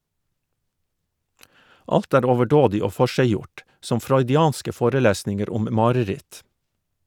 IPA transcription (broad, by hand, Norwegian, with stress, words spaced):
ˈɑlt ˈæːɾ oːʋəˈɖoːdɪ ˈoː ˈfɔʃæɪˌjʊʈ ˈsɔm fɾɔʏdɪˈɑːnskə ˈfoːɾəˌlæːsnɪŋəɾ ˈʊm ˈmɑːɾəˌɾɪt